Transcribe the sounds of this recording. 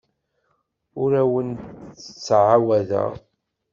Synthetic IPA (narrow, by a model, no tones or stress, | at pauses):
ʊɾæwənt̪ə̥t͡sːʕawæðæ̰